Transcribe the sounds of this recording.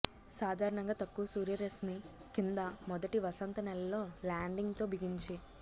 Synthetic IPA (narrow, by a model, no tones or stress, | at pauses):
saːd̪ʱaːɾɐɳɐŋɡaːt̪ɐkːuʋɐsuːɾjɐɾesmi | kind̪ɐmɔd̪ɐʈiʋɐsɐnt̪ɐnɛlːɐlːo̞ːlaːɳɖiŋɡt̪o̞ːbʱiɡiɲt͡ʃi